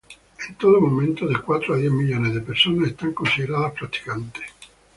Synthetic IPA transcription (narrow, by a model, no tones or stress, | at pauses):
int̪oːd̪omoment̪od̪ekwat̪ːɾoad̪iɛmːiljoːnid̪ipersoːneːst̪aŋkonsid̪eɾaðapːɾat̪ːi̥kant̪e̥